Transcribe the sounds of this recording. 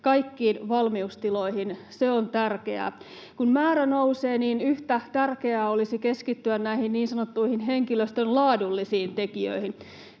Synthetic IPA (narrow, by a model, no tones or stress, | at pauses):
kɑikːiːnʋɑlmiust̪iloihin | seont̪ærkḛæ̰ | kunmæːɾænouseːniːnyht̪æt̪ærkeæːolisikeskit̪ːyænnæihinniːnsɑnot̪ːuihinɦeŋkiløst̪ønlɑːdulːisiːnt̪ekiø̰ihin